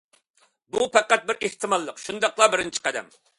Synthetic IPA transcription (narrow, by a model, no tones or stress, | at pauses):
bupɛqæt̪̚bɪɾeht̪ʰɨmɑlˠːəqʃund̪ɑqlˠɑbɪɾɪnt͡ʃʰi̥qʰɛd̪ɛ̰m